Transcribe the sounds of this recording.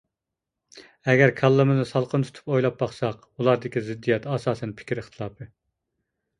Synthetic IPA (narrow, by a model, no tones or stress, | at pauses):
ɛɡʲɛɾkʰɑlˠːɨmɨznɨsɑlˠqʰənt̪ʰu̥t̪ʰu̥pojlˠɑp̚bɑχsɑq | ulˠɑɾd̪ɪkʲizɪd̪ːijɛt̪ɑsɑːsɛnpʰɪ̥kʲɾəχt̪ʰɨlˠɑːpʰɨ